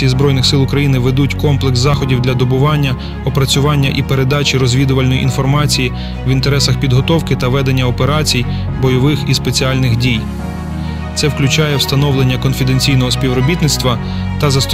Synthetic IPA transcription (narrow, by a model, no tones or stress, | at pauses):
ijizbɾɔjnɪxsɪlˠʊkɾɐjinɪʋed̪utʲkɔmplˠekszɑxɔdʲiwd̪lʲɐd̪ɔbʊʋɑnʲːɐ | ɔpɾɐt͡sʲʊʋɑnʲːɐʔipeɾed̪ɑt͡ʃʲiɾɔzʲʋʲid̪ʊʋɐlʲnɔjḭʔḭnfɔrmɑt͡sʲiji | ʋint̪eɾɛsɐxpʲid̪ɦɔt̪ɔwkɪt̪ɐʋɛd̪enʲːɐɔpeɾɑt͡sʲij | bɔjɔʋɪxispet͡sʲiɑlʲnɪxdʲij | t̪sɛwklʲʊt͡ʃɑjɛwst̪ɐnɔʋlˠenʲːɐkɔnfʲid̪enʲt͡sʲijnɔɦɔsʲpʲiwɾɔbʲit̪nɪt̪st̪ʋɐ | t̪ɐzɐst̪